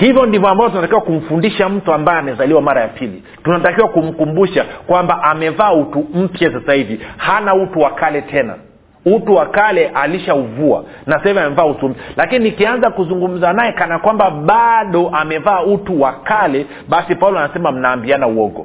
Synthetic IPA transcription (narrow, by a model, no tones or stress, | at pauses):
hivjɔndivɔambavɔt̬unatakiwakum̩fundiʃam̩tuambajɛamɛzaliwamaɾajapʰili | tunatakiwakum̩kumbuʃakwambaʔamɛvaːutum̩pjasasahivihanautuwakalɛtʰɛna̰ | utuwakalɛʔaliʃauvua̰ | nasahiviamɛmvaːutum̩pjalakininikianzakuzuŋɡum̩zanajɛkanakwambaɓaɗɔʔamɛvaːutuwakalɛ | ɓasipaulɔanasɛmam̩naːmbianauwɔɡɔ̰